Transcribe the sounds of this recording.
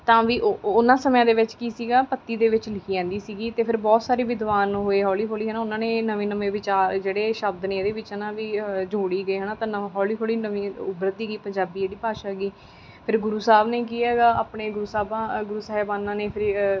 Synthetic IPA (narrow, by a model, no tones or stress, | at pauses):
t̪ãːʋiːʔoʊnãːsəmjãːd̪eːʋɪt͡ʃkiːsiːɡaːpət̪ːiːd̪eːʋɪt͡ʃlɪkʰiːɛ̃ːnd̪iːsiːɡiːt̪eːpʰɪɾbɔːt̪saːɾiːʋɪd̪ʋaːnɦoːeːɦɔːliːkʰoːliːɦənaːʊnãːneːnəʋẽːnəʋẽːʋɪt͡ʃaːɾd͡ʒeːɽeːʃəbd̪nẽːd̪eːʋɪt͡ʃənãːʋiːd͡ʒoːɽiːɡəiːɦənaːt̪ãːɦɔːliːkoːliːnəʋĩːʊbɾət̪̚ːiːɡiːpə̃ɲd͡ʒaːbiːd͡ʒeːɽiːpaːʃaːɡiː | pʰɪɾɡʊɾuːsaːbneːk̬iːɛːɡaːaːpɳeːɡʊɾuːsaːbãɡʊɾuːsaːɦɛbãːnãːneːpʰɪɾ